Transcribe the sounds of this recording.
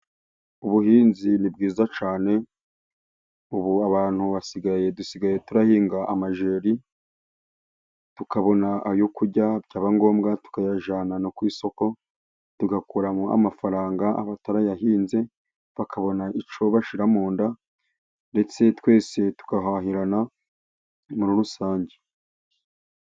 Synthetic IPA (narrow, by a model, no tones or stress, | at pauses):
uβuhiːnzinib̚ɡiːzat͡ʃaːne̞ | uβuaβaːn̥huβasiɡaje̞dusiɡaje̞tuɾahiːŋɡaʔːmaʒeːɾi | tukaβo̞naajokuɾɟabɟaːβaŋɡo̞ːmɡatu̥kajaʒaːnanokwiːso̞ko̞ | tuɡakuɾamua̰mafaɾaːŋɡaa̰βataɾajaɦiːnze̞ | βakʰaβo̞naʔit͡ʃo̞βaʃiɾamoːnda | nde̞t͡se̞twe̞ːse̞tu̥kaɦaɦiɾana | muɾuɾusaːɲɟe